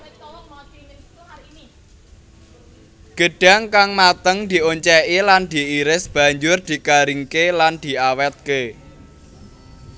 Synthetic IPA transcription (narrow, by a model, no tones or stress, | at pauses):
ɡ̥ə̤ɖ̥a̤ŋkaŋmat̪əŋd̪̥i̤ʔoɲt͡ʃɛʔiland̪̥i̤ːɾɪsb̥ä̤ɲd͡ʒʊrd̪̥i̤kaɾiŋkeland̪̥i̤awɛt̪̚ke